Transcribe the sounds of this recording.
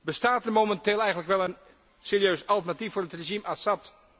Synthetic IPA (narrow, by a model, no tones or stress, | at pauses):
bəstaːtərmomɛntɪːlˠɛjɣəntləkʋɛlˠən | seːɾjøːsɑlˠtərnatifʊːrətreʒimʔasɑpt